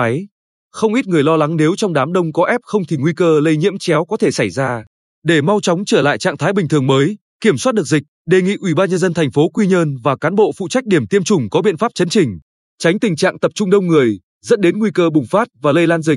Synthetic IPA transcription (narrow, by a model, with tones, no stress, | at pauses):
a˨˦j | xə˧wŋ͡mʔi˦˥t̚ŋɨ˨˩əjlɔ˧la˨˦ŋne˨˦wt͡ɕɔ˧wŋ͡mɗaː˨˦mɗə˧wŋ͡mkɔ˨˦ʔɛ˦˥p̚xə˧wŋ͡mt̪ʰi˨˩ŋwi˧kəː˧lə˧jɲḭ˧˥əmt͡ɕɛ˨˦wkɔ˨˦t̪ʰe˧˩sa˧˩jzaː˧ | ɗe˧˩ma˧wt͡ɕɔ˨˦wŋ͡mt͡ɕəː˧˩la̰ː˧˨jt͡ɕa̰ː˧˨ŋt̪ʰa˨˦jɓï̟˨˩t̪ʰɨ˨˩əŋməː˨˦j | ki˧˩əmswaː˦˥ɗɨ˨˩ək̚zï˨˩k̚ɗe˨˩ŋḭ˧˨ʔwi˧˩ɓaː˧nɲə˧nzə˧nt̪ʰa˨˩ŋ̟fo˨˦kwi˧ɲə˧nvaː˨˩kaː˨˦nɓo̰˧˨fṵ˧˨t͡ɕa˦˥k̟̚ɗi˧˩əmt̪i˧əmt͡ɕʊ˨˩ŋ͡mkɔ˨˦ɓḭ˧ənfaː˦˥p̚t͡ɕə˨˦nt͡ɕï˨˩ŋ̟ | t͡ɕa˨˦ŋ̟t̪ï˨˩ŋt͡ɕa̰ː˧˨ŋt̪ə˨˩p̚t͡ɕʊ˧ŋ͡mɗə˧wŋ͡mŋɨ˨˩əj | zə̰˦˥n̚ɗe˨˦nŋwi˧kəː˧ɓʊ˨˩ŋ͡mfaː˦˥t̚vaː˨˩lə˧jlaː˧nzï˨˩k̚